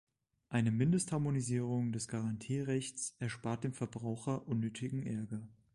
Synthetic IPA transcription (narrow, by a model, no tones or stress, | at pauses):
ʔaɪnəmɪndəsthaɐmoniziːʁ̞ʊŋdɛsɡ̥aʁantʰiːʁɛçt͡sʔɛɐʃpaɐt̚d̥eːmfɛɐbʁaʊxɐʔʊnːøːtʰɪɡŋ̩ʔɛɐɡɐ